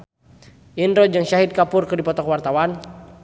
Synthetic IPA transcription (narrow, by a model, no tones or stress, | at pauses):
ʔinɾɔd͡ʒɨŋʃaɦid̪̚kapʊrkɨrdipɔt̪ɔkwart̪awan